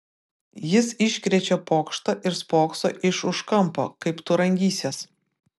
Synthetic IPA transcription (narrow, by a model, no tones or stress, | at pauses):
jɪsɪʃʲkʲɾʲɛt͡ʃʲɛpoːkʃt̪ɐʔɪɾspoːkso̰ːʔɪʃʊʃkɐmˑpo̰ːkɐɪpt̪ʊɾɐŋʲɡʲiːsʲes